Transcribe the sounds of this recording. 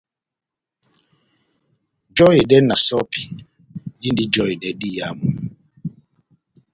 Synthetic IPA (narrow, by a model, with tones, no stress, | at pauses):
d͡ʒɔ˦i˨dɛ˦na˨sɔ˦pi̥˨ | di˦ndi˦d͡ʒɔ˦i˨dɛ˨di˦˨ja˨˦mu˨